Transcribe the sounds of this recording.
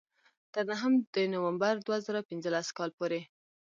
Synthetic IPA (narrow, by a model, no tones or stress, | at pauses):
t̪əɾnaɦəmd̪ənowambaɾd̪wazəɾawpɪnzəlaskɑlpoɾe